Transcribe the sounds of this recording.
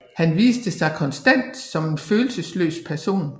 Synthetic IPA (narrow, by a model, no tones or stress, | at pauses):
hænʋḭːsd̥əsɑ̈ɪkʰɒ̽nsd̥æn̰d̥sɒ̽me̝nføːl̩səslø̰ːspʰæɐso̝̰ːn